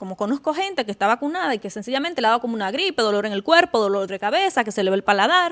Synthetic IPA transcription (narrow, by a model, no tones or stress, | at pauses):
ko̞mo̞ko̞no̞sko̞xe̞nt̪e̞kest̪aβakunaðaike̞se̞nsiʝament̪e̞laaβako̞mounaɣɾipe̞ðo̞lo̞ɾe̞ŋe̞lkwe̞ɾpo̞ðo̞lo̞ɾðekaβe̞sake̞se̞leelpalaðaɾ